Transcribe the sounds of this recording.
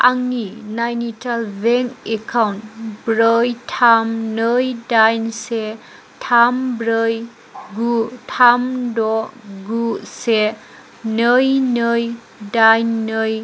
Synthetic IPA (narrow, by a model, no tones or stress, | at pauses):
aŋninajnitʰalbeŋekʰawntbɾəjtʰamnəjdajnse | tʰambɾəj | ɡutʰamdɔɡuse | nəjnəj | dajnːəj